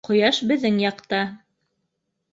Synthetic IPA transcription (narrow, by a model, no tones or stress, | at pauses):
qŏjɑʃbɘ̆ðːɘŋjɑqt̪ɑ